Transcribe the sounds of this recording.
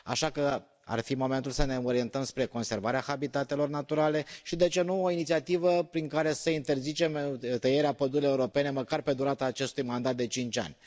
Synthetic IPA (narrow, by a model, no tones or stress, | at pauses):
a̰ʃakə | a̰rfimo̞ment̪ulsəne̞o̞ɾie̞nt̪əmspɾe̞ko̞nse̞rvaɾeaxabit̪at̪e̞lo̞rnat̪uɾale̞ʃid̪e̞t͡ʃe̞nuoinit̪siat̪ivəpɾiŋkaɾe̞səint̪e̞rzit͡ʃe̞mt̪əje̞ɾeapəd̪uɾeeuɾo̞pe̞ne̞məkarpe̞d̪uɾat̪aːt͡ʃe̞st̪ujmand̪at̪̚d̪e̞t͡ʃint͡ʃa̰nʲ